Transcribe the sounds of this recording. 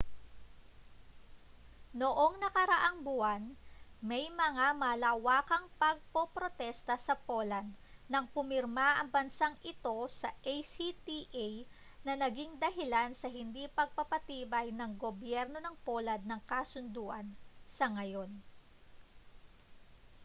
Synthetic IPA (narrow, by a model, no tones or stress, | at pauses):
noʔo̞ŋnɐkɐɾɐʔaŋbuɐnmɐjmɐŋamɐlaːwaːkɐŋpɐɡ̚popɾo̞t̪ɛst̪ɐsɐpolɐd̪nɐŋpʊmɪɾmaʔɐŋbɐnsaŋʔɪt̪o̞sɐʔejsit̪iʔej | nɐnɐɡiŋd̪ɐɦɪlansɐɦɪnd̪ipɐɡ̚pɐpɐt̪iːbɐjnɐŋɡobjɛɾno̞nɐŋpolɐd̪̚nɐŋkasʊnd̪uːʔɐnsɐŋɐjo̞n